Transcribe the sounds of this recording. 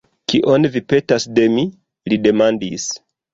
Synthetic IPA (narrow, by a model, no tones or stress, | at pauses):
kiʔonvipe̞tasde̞mi | lide̞mandis